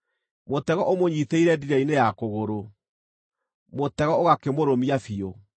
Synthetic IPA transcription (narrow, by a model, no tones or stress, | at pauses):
motɛɣɔʔomoɲiθeiɾɛdiɾainejakoɣoɾo | motɛɣɔoɣakemoɾomiafio